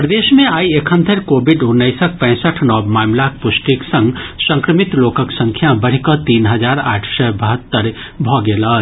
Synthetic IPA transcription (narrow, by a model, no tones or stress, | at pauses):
pɾəd̪eːʃmẽaːiekʰə̃nd̪ʱʰəɾkoːbɪɖʊnːəɪsək̚pɛ̃ːsəʈʰnɔːbmaːmlak̚pʊsʈiksə̃ŋɡsə̃ŋkɾəmɪt̪loːkəksə̃ŋkʰjabəɽ̤ikɔt̪iːnɦəd͡ʒaːɾa̰ːʈʰsɛbəɦət̪ːəɾ | bʱɔːɡeːlaː